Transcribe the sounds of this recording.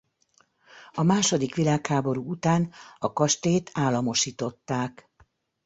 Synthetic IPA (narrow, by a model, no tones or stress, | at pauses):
ɒmaːʃo̞d̪ikʋilaːkhaːbo̞ɾuut̪aːnɒkɒʃt̪eːt̪ʰaːlːɒmo̞ʃiːt̪o̞t̪ːaːk